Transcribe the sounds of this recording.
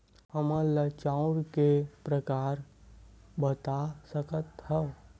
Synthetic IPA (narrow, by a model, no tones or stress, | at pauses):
həmələt͡ʃaũɽkepɾəkaɾ | bət̪asəkət̪hə